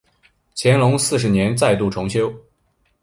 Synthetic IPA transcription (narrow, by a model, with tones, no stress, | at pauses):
t͡ɕʰjɛ˧˥nlʊ˧˥ŋsɹ̩˥˩ʂ̬̩˧˥njɛ˧˥nt͡sa˥˧ɪt̪u˥˩ʈ͡ʂʰʊ˧˥ŋɕjo˥ʊ